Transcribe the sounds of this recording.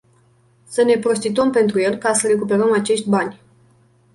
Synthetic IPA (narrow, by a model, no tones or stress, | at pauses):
səne̞pɾo̞s̬t̪it̪uəmpe̞nt̪ɾuje̞lkasəɾe̞kupe̞ɾəmat͡ʃe̞ʃt̪ʲbanʲ